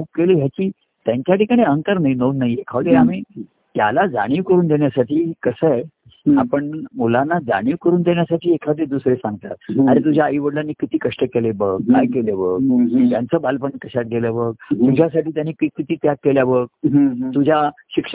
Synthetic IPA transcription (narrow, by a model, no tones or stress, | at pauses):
kup̚keliɦjat͡ɕiː | t̪jaɲt͡ɕjaʈikaɽ̃iəŋkaɾnainoʋnaɦjekʰaʋd̪eamiː | t̪jalad͡za̰ɽ̃iːʋkəɾuːnd̪eɳjasaʈiːkəsəj | apəɳmulanːad͡za̰ɽ̃iːʋkəɾuːnd̪eɳjasaʈʰiːekʰaʋəd̪ed̪usɾesãŋɡ̚t̪a̰t̪̚aɾet̪̬ud͡ʑʱjaːiʋəɽlanːiːkit̪iːkəʂʈəkelebəɡ̚kːajkelebəɡ̚t̪jant͡səːbalpəɳkəɕat̪̚ɡeləbəɡ̚t̪ud͡ʑʱjasaʈiːt̪̬janːikikit̪iːt̪jakːeljabəɡ̚t̪ud͡ʑʱaɕikʂ